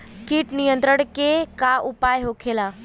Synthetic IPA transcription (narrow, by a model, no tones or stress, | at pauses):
kiːʈnijə̃nt̪ɾəɽ̃kekaʔupaːjɦokʰelaː